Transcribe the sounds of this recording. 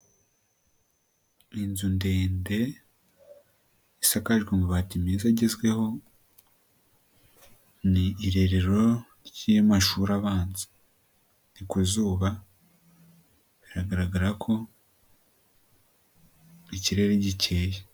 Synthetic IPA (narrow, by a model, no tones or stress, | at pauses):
inzunde̞ːnde̞ | isakaʒɡweŋɡoβatimiːzaɟezɡwe̞ho̞ | niːɾe̞ɾe̞ɾo̞ɾjemaʃuɾaβaːnzi̥ | nikuzuːβa | βiɾaɡaɾaɡaɾakʰo̞ | iciɾe̞ɾeɟicʰe̞ːje